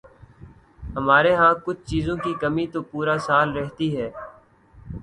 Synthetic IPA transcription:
ɦəmaːɾeːɦãːkʊt͡ʃʰt͡ʃiːzõːkikəmit̪oːpuːɾaːsaːlɾɛɦt̪iɦɛː

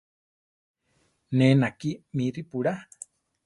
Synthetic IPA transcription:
nẽnakimĩɾipuɽa

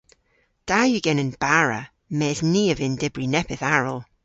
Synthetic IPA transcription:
d̥ajɨɡɛnənb̥aɹə̰ | mɛːzniːəvɪndɪbrinɛpʰɪθaɹəlˠ

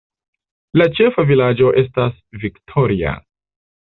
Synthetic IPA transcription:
lat͡ʃe̞favilad͡ʒo̞ʔe̞s̬tasviktʰo̞ɾia̰

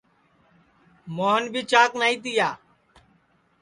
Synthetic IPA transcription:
moːɦənbʱiːt͡ʃaːknaːiːt̪ɪjaː

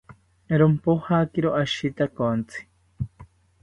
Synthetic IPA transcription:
ɾompohakiɾoʔaʃit̪akont͡si̥

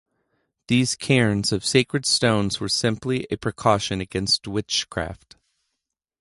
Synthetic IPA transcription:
ðiz̥kʰɛɹ̃nzʌv̥seɪkɹɨd̥stõʊ̃nzwə˞sɪ̃mpliʔɨpʰɹ̥ɨkʰɔʃɨ̃nɨɡɛ̃nst̚wɪt͡ʃkʰɹ̥æ̰ft

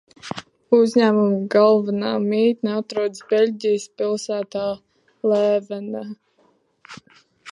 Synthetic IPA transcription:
uzʲɲæːmumɡalˠvanaːmiːt̪nat̪ɾuɔd̪sbʲelʲɟʲijəspilˠsæːt̪aː | lɛːvɛna

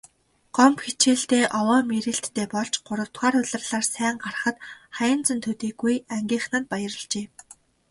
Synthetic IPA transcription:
ɢ̥ɔmpxit͡ɕeːɬt̪eːʔɔwɔːmeɾɘ̆ɬt̪ʰːeːpɔɮt͡ɕɢ̥ʊɾə̆w̥t̪χaːɾʊɮə̆rɮaːrsæːŋɢar̆χə̆t̪χajə̆nt͡sə̆nt̪ʰɵt̪iːɡujæŋɡʲiːχnăt̪̚pajə̆rə̆ɮt͡ɕeː

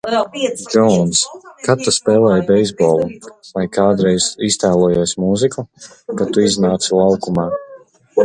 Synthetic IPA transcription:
d͡ʒɔnskat̪ːaspɛːlˠɛːjbɛjzbɔːlˠuvajkaːd̪ɾɛjz̥ist̪æːlˠɔjuːsʲmuziku | kat̪uiznaːt̪silˠawkumaː

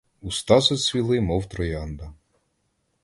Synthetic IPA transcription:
ust̪ɑzɔsʲʋʲilˠɪmɔwt̪ɾɔjɑnd̪ɐ

